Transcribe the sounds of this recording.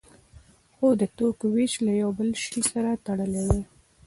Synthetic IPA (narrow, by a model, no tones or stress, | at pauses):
xod̪ət̪okwet͡ʃlajawbəlʃisaɾat̪aɽəlewe